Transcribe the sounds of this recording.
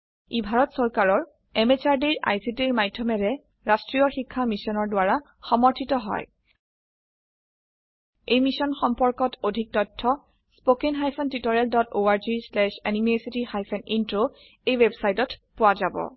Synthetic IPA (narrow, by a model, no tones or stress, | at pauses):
ibʱaɹɔtsɔɹkaɹɔɹ | ɛmet͡ʃaɹdiɹʔa̰jsitiɹmajdʱːɔmɛɹɛ | ɹastɹijɔxikʰːamisɔnɔɹdʊaɹa | xɔmɔɹtʰitɔɦɔ̰j | ejmisɔnxɔmpɔɹkɔtʰodʱik̚tɔtʰːɔ | spokenɦajpʰɔntitɔɹɛldɔtoaɹzislɛʃɛnimesitixajpʰɛnintɹo | ejwebsajtɔtpʊwazabɔ̰